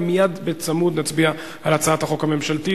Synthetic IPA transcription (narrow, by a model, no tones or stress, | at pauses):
mijad̪bet͡samud̪nat͡sbia | alat͡saathaχo̞khame̞mʃalti